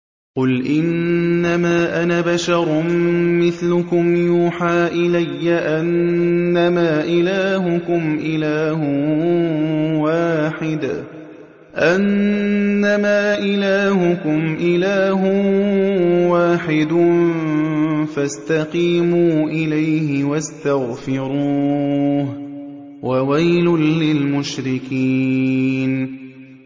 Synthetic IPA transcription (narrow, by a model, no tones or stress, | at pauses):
qʊlʔɪnːamaːʔanabaʃɑɾˤmːɪθlʊkʊmjuːħaːʔɪlajːaʔanːamaːʔɪlaːɦʊkʊmʔɪlaːhʊ | waːħɪd̪a̰ | ʔanː | amaːʔɪlaːɦʊkʊmʔɪlaːɦʊ | waːħɪd̪ʊ | fast̪aqiːmuːʔɪlajhɪwast̪aɣfɪɾuːh | wawajlʊːɪlmʊʃɾɪkiːn